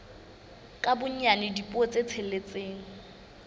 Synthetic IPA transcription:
kʼabʊɲ̩anɪdipʼɔt͡sʼet͡sʰɛlet͡sʼeːŋ̩

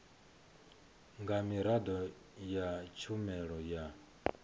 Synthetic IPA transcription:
ŋɡamiɾad̪ɔ | jat͡ʃʰumɛɺɔja

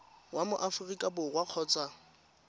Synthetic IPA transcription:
wamʊʔafʊrikʼabʊɣwaq͡χʰɔːt͡sʼa

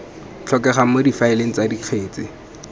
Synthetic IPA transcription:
t͡ɬʰɔkɛχamodifaɪleŋ̩t͡sadiq͡χʰeːt͡sɪ

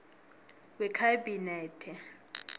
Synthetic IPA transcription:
wɛkʰabinɛtʰɛ

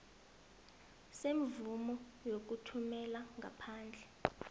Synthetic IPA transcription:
sem̩vumɔ | jok̬utʰumɛlaŋɡʱa̰pʰaːnd͡ɮʱɛ

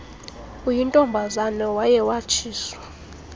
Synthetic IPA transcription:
ujintʼɔmbʱazanɔwajɛwat͡ʃʰiːswa

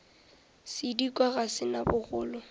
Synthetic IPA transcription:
sɪdikʼwaɣasɪnabʊɣʊːlʊ

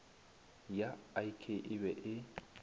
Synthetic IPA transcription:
jaaikʰeʔɪbɛʔɪ

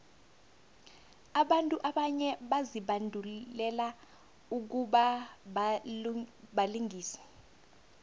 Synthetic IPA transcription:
aɓantʼuʔaɓaɲɛɓaziɓandʱulɛla | uk̬uɓaɓa | ɓaliŋʱiːsɛ̥

